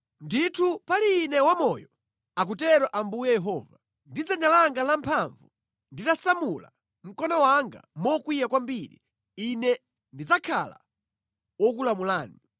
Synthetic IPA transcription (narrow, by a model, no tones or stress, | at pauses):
nditʰupaliːnɛwamɔjɔ | ak̬utɛɾɔʔambujɛjɛɦɔːva | ndid͡zaɲalaŋɡalampʰaɱvu | nditasamula̰ | m̩kɔnɔwaŋɡa̰mɔkwijakwambiɾḭ | inɛ | ndid͡zakʰala̰ | wɔk̬ulamulaːni